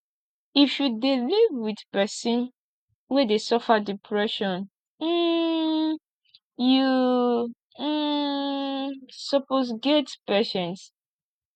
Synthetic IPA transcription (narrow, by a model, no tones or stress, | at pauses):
ifjudelivwiθpɛsĩn | wɛdesɔfadipʰɹɛʃɔ̃n̩ | ju | sɔposɡɛtpɛʃɛ̃ns